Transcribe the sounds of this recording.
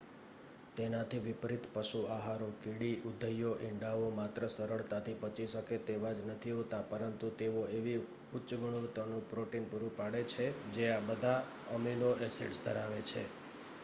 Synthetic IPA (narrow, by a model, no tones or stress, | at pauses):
t̪enat̪ʰiʋɪpɾit̪pəʃuaɦaɾokiɽiʔud̪ʱəjoʔɪɳɖaʋomat̪ɾəsəɾəɭt̪at̪ʰipət͡ʃiʃəket̪eʋad͡ʒnət̪ʰiɦot̪apəɾənt̪ut̪eoeʋi | ʊtːt͡ʃɡuɽ̃uɾt̪ənũpɾoʈinpuɾũpaɽet͡ʃʰed͡ʒeabəd̪ʱa | əmiloʔɛsḛʈsd̪ʱəɾaʋet͡ʃʰḛ